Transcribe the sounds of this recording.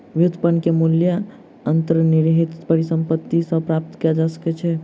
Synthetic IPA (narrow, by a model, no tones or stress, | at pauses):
ʋjud̪ʱpənkemuljə | ənt̪əɾniɾɦit̪pəɾisə̃mpət̪ːisəbpɾap̚t̪kijad͡ʒasə̥kɛt͡ʃʰɛ